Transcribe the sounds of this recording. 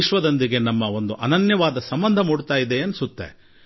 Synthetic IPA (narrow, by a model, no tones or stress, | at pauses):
iʃʋɐd̪ond̪iɡe̞nɐmːɐo̞nd̪uʔɐnɐnjɐʋaːd̪ɐsɐmbɐnd̪ʱɐmuːɽut̪aːjid̪eɐnsut̪ːḛ